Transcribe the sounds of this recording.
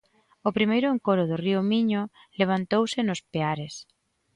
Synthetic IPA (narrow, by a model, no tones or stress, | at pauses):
ʊpɾimejɾʊeŋkoɾʊðʊriʊmiɲʊ | leβ̞ant̪owsɪnʊspeaɾes